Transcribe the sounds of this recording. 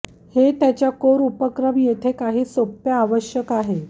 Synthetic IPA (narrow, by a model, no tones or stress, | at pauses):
het̪jat͡ɕjakoɾupəkɾəmjet̪ʰekaɦiːsopjaːʋəɕjəkaɦe